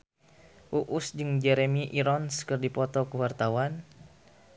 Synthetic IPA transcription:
ʔuʔusd͡ʒɨŋd͡ʒɛɾemiʔiɾɔnskɨrdipɔt̪ɔkəwart̪awan

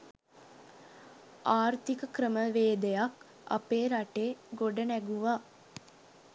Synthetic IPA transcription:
aːrt̪ikəkrəməʋeːd̪ejak | a̰peːɾaʈeːɡoɖənæɡuʋa

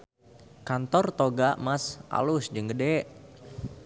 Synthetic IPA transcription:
kant̪ɔrt̪oɡaʔmasʔa̰lʊsd͡ʒəŋɡədɛʔ

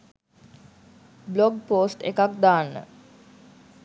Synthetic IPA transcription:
bloɡpoːsʈḛkak̚d̪aːnːə̰

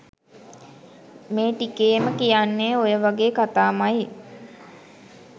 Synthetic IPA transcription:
meːʈikeːməkijanːeːojəʋaɡeːkat̪aːmaj

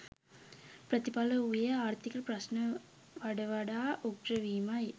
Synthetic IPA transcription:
pɾɐt̪ɪpaːlɐʊjɐaːɾt̪ɪkːɐlpɾɐsnɐ | ʋɐɽɐʋɐɽaːʔok̚ʈɾɐʋiːmaːji

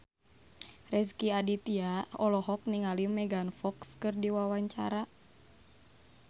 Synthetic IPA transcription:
rɛs̬kiadit̪iaɔlɔɦɔk̚niŋalimɛɡanfɔkskɨrdiwawaɲt͡ʃa̰ɾa

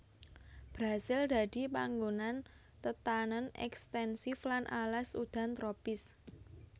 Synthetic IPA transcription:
b̥ɾasɪld̪a̤d̪̥ipa̰ŋɡonan | t̪ət̪anənɛ̰kst̪ɛnsɪflanʔa̰lasṵd̪̥a̤nt̪ɾopɪs

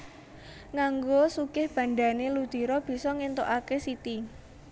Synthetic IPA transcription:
ŋaŋɡosuɡ̥ɪhb̥ä̤ɳɖ̪anelud̪̥i̤ɾɔb̥i̤sɔŋent̪oʔakesit̪i

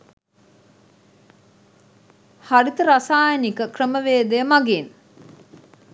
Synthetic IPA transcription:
haɾit̪əɾasaːjənikəkrəməʋeːd̪ejəmaɡen

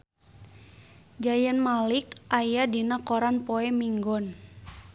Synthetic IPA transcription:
d͡ʒajənmalikʔajadinakɔɾanpoɛmiŋɡɔn

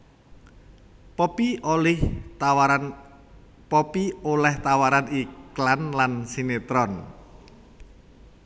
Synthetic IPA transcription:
pɔpiolɪh | pɔpiolɛht̪awaɾaniklanlansinet̪ɾɔn

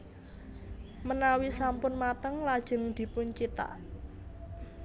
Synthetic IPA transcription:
mənawisampʊnmat̪əŋlad̥ʒ̥ə̤ŋd̪̥i̤pʊɲt͡ʃit̪a̰

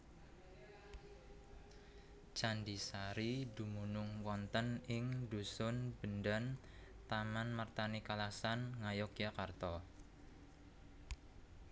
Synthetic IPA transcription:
t͡ʃandisaɾidumunʊŋwɔnt̪ənɪŋdusʊnb̥əndan | t̪amanmart̪anikalasanŋajɔkijakart̪ɔ

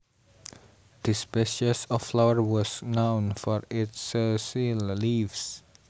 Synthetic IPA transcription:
d̪̥ispeʃəsɔfflawəɹwɔsnãwnfɔɹɪtsəsillivs

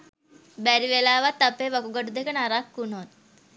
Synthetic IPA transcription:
bɛɾiʋelaʋat̪ːapeʋəkuɡəʈud̪ekəɳaɾakːunot̪

